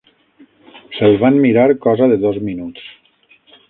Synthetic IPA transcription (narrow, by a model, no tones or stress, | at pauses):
selˠβammiɾaɾkɔzaðeðɔzminuts